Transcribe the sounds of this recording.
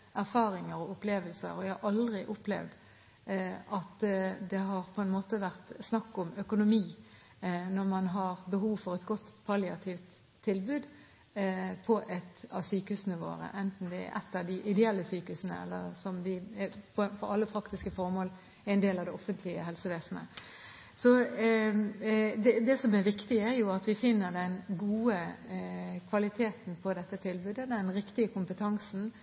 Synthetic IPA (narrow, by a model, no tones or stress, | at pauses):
ʔæɾfɑːɾɪŋəɾɔʊpleːʋəlsə̰ɾɔjæɪhɑɾɑld̪ʁɪʔʊplɛ̰ʋd̪ | ʔɑt̪d̪ɛɦɑɾpʰɔɛnmoːt̪əʋæʁt̪snɑkːʊmœkʊnʊmiː | nɔʁmɑnɦɑɾbəɦuːʋfɔɾɛt̪ɡɔt̪ːpʰɑlɪɑt̪ʰiʋt̪ʰː | ɪlbʉːd̪ | pʰɔʔɛt̪ɑʋsyːkəhʉsənəʋo̰ːɾə̰ʔɛnt̪n̩d̪ɛɛ̰ɾʔɛ̰t̪ːɑʋd̪ɪʔɪd̪ɛɛlːəsyːkəʉsənə̰ɛ̰lːəɾsɔmʋɪɛpʰɔfɔɾɑlːəpʰɾɑkt̪ɪskəfɔɾmoːl | ɛɛɪnd̪eːlɑʋd̪ɛɔfənt̪ʰlɪəɦɛlsəʋeːsn̩ə̰ | sɔ | d̪ɛd̪ɛsɔmɛɾʋɪkt̪ɪæɾjʊɑt̪ʋɪfɪnːəɾd̪ɛnɡuːə | kʰʋɑlɪt̪ʰeːt̪npʰɔd̪ɛt̪ːət̪ʰɪlbʉːd̪əd̪ɛnɾɪkt̪ɪəkʰʊmpət̪ʰɑŋsn̩